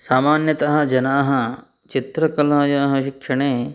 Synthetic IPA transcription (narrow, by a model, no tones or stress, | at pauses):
saːmaːnjɐt̪ɐɦɐ̆d͡ʒɐnaːɦɐ | t͡ʃit̪ɾɐkɐlaːjaːɦɐʃikʂɐɳeː